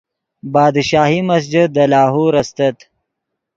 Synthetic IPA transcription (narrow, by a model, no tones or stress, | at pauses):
bɑːd̪ʃɑːɦimɐsd͡ʒəd̪əlɑːɦuɾɐst̪ɐt̪